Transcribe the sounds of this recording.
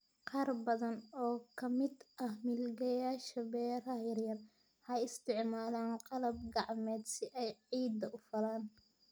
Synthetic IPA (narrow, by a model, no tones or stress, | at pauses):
qɑːrbɐðɐnɔːkʰɐmɪd̪ʔɐhmɪlɡɐjaːʃɐbɛːɾɐjɪrjɐn | hɐjɪst̪ʰɪʕmaːlaːnqɑlɐb̚ɡɑʕmɛːd̪sɪʔɛjʕiːd̪ɐʔʊfɐlaːn